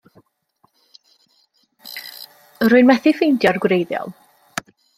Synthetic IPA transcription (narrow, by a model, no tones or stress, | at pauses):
əɾʊɨnmɛθɪfejndjɔrɡwrejðjɔ̰lˠ